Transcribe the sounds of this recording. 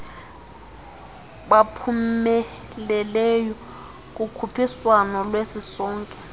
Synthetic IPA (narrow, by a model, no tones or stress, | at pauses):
ɓapʰumɛ | lɛlɛjɔ | k̬ukʰupʰiswanɔlwesisɔːŋkʼɛ